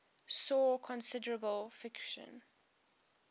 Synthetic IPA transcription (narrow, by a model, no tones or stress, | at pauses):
sɔːkʰɔ̃nsɪdəɹəbəlˠfɪkʃə̰̃n